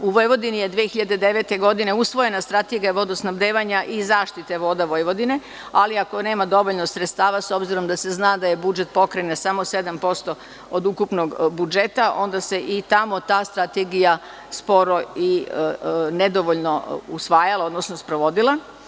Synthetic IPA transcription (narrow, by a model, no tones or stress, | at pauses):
uʋojʋo̞d̪inijed̪ʋiexiʎad̪ed̪eʋe̞t̪e̞ɡo̞d̪ine̞usʋo̞je̞nast̪ɾat̪eɡijaʋo̞d̪osnaʋd̪eːʋaɲaʔizaːʃt̪it̪e̞ʋo̞ːd̪aʋojʋo̞d̪ine̞ | aliako̞ne̞ːmad̪o̞ʋoʎnosɾet̪st̪aːʋaso̞bziɾo̞md̪ase̞znaːd̪aje̞bud͡ʒe̞t̪̚po̞kɾenesamose̞d̪ampo̞st̪o̞ | od̪ukupno̞ɡbud͡ʒe̞t̪aʔo̞nd̪ase̞ʔit̪amo̞t̪aːst̪ɾat̪eɡija | spo̞ɾo̞i | ne̞d̪o̞ʋoʎnousʋaːjalˠao̞d̪nosnospɾoʋo̞d̪ilˠa